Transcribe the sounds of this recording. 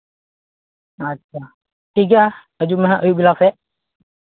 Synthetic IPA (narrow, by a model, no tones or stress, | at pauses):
ətːʃʰa | ʈʰik̬a | əd͡ʒumɛɦãʔəjubilasɛ